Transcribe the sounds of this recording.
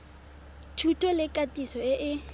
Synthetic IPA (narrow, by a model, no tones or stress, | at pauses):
tʰutʼwɛlɪkʼatʼisɔɪʔɪ